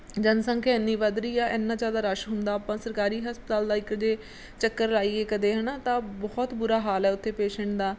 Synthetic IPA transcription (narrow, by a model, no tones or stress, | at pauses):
d͡ʒənsə̃ŋkʰeɪnːiːʋəd̪ɾiːaːʔeːnːãːd͡ʒaːd̪aːɾəʃɦʊnd̪aːpãːsəɾkaːɾiːɦəspət̪aːld̪aːɪkd͡ʒeː | t͡ʃəkːəɾlaːiːeːkəd̪eːɦənãːt̪ãːbɔːt̪bʊɾaːɦaːlɛːʊt̪ʰːeːpeːʃɛ̃ɳʈd̪aː